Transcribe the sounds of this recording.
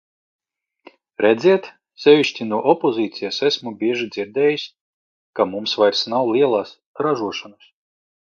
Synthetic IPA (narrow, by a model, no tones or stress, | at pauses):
ɾɛd̪zʲiɛt̪ | sʲɛvʲiʃʲt̪ʲinuɔʔɔpozʲiːt̪sijasæsʲmubʲiɛʒid̪zʲiɾd̪ʲɛːjisʲ | kamumsvajɾsnawlʲˠiɛlˠaːs | ɾaʒuɔʃanas